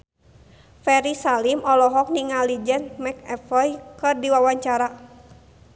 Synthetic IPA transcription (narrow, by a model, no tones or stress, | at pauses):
fɛɾisalimɔlɔɦɔk̚niŋalid͡ʒɛnmɛk̚ɛfɔjkɨrdiwawaɲt͡ʃaɾa